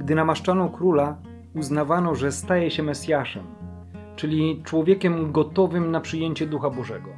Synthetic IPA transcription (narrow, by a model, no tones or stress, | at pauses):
ɡd̪ɘnamaʂt͡ʂanɔ̃kɾula | uznavanɔʐɛst̪ajɛɕɛmɛsʲjaʂɛ̰m | t͡ʂɘlʲit͡ʂwɔvʲjekʲɛmɡɔt̪ɔvɘmnapʂɘjeɲt͡ɕɛd̪uxabɔʐɛɡɔ